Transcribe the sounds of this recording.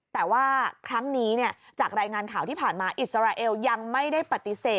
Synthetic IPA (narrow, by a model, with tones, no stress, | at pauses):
t̪ɛː˨˩waː˥˩kʰɾa˦˥ŋniː˦˥ni˥˩ɐt͡ɕaː˨˩k̚ɾaː˧jŋaː˧nkʰaː˩˦t̪ʰiː˥˩pʰaː˨˩nmaː˧ʔi˨˩t̪̚sa˧ɾaː˧ʔeː˧wja˧ŋma˥˩jda˥˩jpa˨˩t̪ːi˨˩seː˨˩